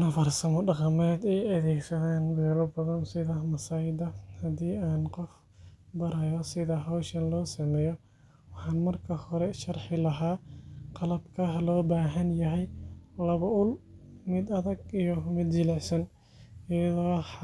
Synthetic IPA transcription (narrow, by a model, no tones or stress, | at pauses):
nɐfɐrsɐmɔɖɑqɑmɛːd̪ɛɐðɛːɡsɐðaːnbɛːlɔbɐðɐnsɪðɐmɐsaːɪd̪ɐhɐd̪iːaːnqɔf | bɐɾɐjɔsɪðɐɦawʃɐnlɔːsɐmɛːjɔ | wɑħɑːnmɐrkʰɐhɔɾɛʃɐrħɪlɐɦaːqɑlɐbkʰɐlɔːbaːɦɐnjɐɦɛjlɐβɐʊlmɪd̪ɐðɐɡijɔmɪd̪d͡ʒɪlɛsɐn | ɪjɐðɔː